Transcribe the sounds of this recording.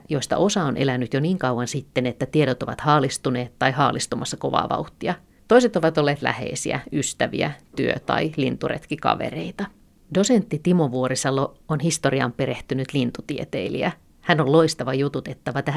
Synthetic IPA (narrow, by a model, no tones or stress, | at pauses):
joist̪ɑ̰ʔo̞sɑonʔelænːyt̪joniːŋkɑuwɑnsit̪ːenet̪ːæt̪ieɾot̪oʋɑ̰t̪hɑːlist̪uneːt̪ːɑihɑːlʔist̪umʔɑsːɑko̞̰ʋɑ̰ːʋɑ̰uht̪ːˑiɑ | t̪oiset̪oʋɑt̪olːeːt̪læ̰hḛisḭæ̰yst̪æʋḭæ̰t̪yøt̪ɑ̰ilḭnt̪urḛt̪kikɑ̰ʋḛɾeit̪ɑ | do̞sent̪ːit̪imoʋuoɾisɑlːoonhist̪oriɑ̰mpeɾeht̪ynyt̪lint̪ut̪iet̪ḛilḭæ | hænollo̞ist̪ɑʋɑjut̪ut̪et̪ːɑʋɑt̪æ